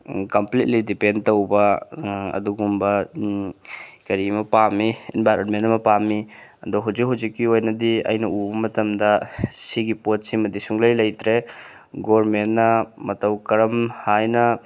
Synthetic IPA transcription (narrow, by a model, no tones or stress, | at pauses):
kɐmplit̚lidipendtowbɐɐ̰duɡumbɐ | kɐɾimɐpamiinbajɾɐnmentɐmɐpamiɐdɔɦuwzikɦuwzikːiojnɐdiɐ̰jnɐʔubɐmɐtɐmdɐsiɡipot̚simɐdisuŋlɐjlɐjtɾe | ɡoɾmennːɐmɐtɐwkɐɾɐmhajnɐ